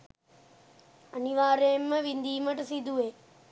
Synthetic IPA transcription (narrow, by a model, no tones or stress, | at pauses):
əniʋaːɾeːmːɐʋind̪iːməʈsid̪ueː